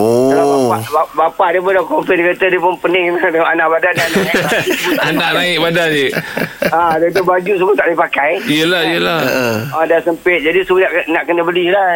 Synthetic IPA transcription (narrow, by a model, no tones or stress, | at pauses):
oalaaaʔbabapaʔdep̬ʊndakomfɛdikat̪ədiepʊnpənɪŋnadəʔanaʔbadadanaanaʔnaɪʔ̚badad͡ʒə | adet̪̬ubad͡ʒus̬umʊt̪aʔdipakajijəlahijəlahadasəmpɪt̪̚d͡ʒadisunaʔnaʔkənəbəlila